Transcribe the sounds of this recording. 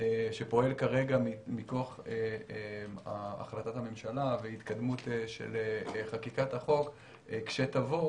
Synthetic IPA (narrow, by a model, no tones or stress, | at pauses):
eʃe̞po̞e̞lkaʁe̞ɡamimikoaχeeaa̰χlat̪athame̞mʃalavehit̪kad̪mut̪eʃḛleχakikat̪haχo̞k | ekʃe̞t̪avo